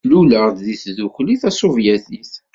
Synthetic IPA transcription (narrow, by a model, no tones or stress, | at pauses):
luləʁd̪ðiθðuçliθæsuvjæθiθ